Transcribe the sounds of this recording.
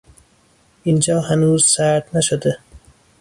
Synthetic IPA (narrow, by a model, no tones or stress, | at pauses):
ind͡ʒɒːɦænuːzsaɾt̪naʃod̪æ